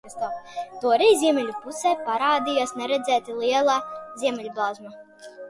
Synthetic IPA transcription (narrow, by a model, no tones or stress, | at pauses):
st̪at̪uɔɾɛjzʲiɛmʲɛlʲupusɛːpaɾaːd̪ijasnɛɾɛd̪zɛːt̪ilˠiɛlˠazʲiɛmʲɛlʲblˠazma